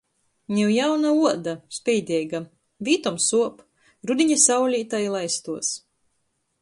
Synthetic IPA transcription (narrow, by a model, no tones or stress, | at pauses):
ɲʲɛwjawnauɔd̪aspʲɛjd̪ʲɛjɡa | vʲiːt̪ɔmsuɔp | ɾud̪ʲiɲasawlʲiːt̪ajlˠajst̪uɔs